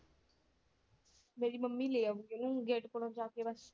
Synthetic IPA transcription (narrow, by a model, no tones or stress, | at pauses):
meːɾiːməmːiːleːaʋueːnũːɡeːʈkoɽõːd͡ʒaːkeːbəs